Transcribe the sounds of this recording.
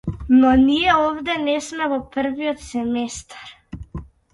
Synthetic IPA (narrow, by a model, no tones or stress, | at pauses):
nɔniɛɔvd̪ɛnɛsmɛvɔpr̩viɔt̪sɛmɛst̪ḁɾ